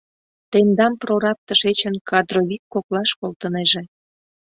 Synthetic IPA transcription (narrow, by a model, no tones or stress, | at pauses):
t̪end̪ɑmproɾɑp̚t̪əʃet͡ɕənkɑd̪roβikːoklɑʃkolˠt̪əneʒe